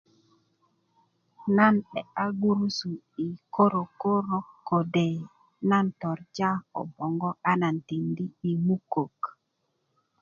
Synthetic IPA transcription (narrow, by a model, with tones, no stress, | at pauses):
na˦˨nɗɛ˨a˦ɡu˦ɾu˦su˨ | i˨ko˦ɾo˨ko˦ɾo˦kːo˨de˨ | na˦ntɔ˨ɾd͡ʒa˦ɔ̰˨bɔ˨ŋɡɔ˦ʔa˦na˨nti˨ndi˦i˨mu˦ko˨k